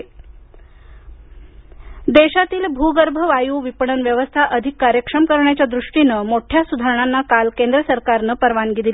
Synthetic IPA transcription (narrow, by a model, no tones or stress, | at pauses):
d̪eɕat̪iːlbʱuɡəɾbʱəʋajuːʋipəɳənʋjəʋəst̪ʰaʔəd̪ʱikːaɾjəkʂəmkəɾɳjat͡ɕjad̪ɾuʂʈinəmoʈʰjasud̪ʱaɾəɳ̃anːakalkẽnd̪ɾəsəɾkaɾnəpəɾʋanɡid̪il